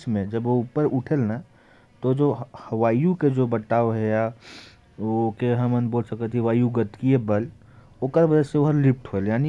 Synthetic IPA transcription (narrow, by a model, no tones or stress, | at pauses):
smẽd͡ʒəboupəɾuʈʰelna | t̪od͡ʒohəʋaːijuked͡ʒobəʈːaːoɦɛja | okeɦəmənboːlsəkət̪ʰiʋaːjuɡət̪kiebəl | oːkəɾbəd͡ʒɛseoɦəɾlip̚ʰʈɦoeljaːni